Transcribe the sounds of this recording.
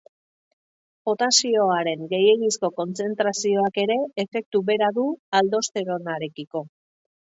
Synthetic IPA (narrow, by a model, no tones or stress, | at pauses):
bo̞t̪asio̞aɾe̞ŋɡe̞je̞ɣisko̞ko̞nt͡se̞nt̪ɾasio̞ake̞ɾe̞ːfe̞k̚t̪uβe̞ɾaðuald̪o̞st̪e̞ɾo̞naɾe̞kiko̞